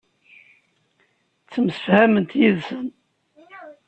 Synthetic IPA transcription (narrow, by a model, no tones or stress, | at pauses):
t͡sːəmsə̥fhæmənt̪jiðsən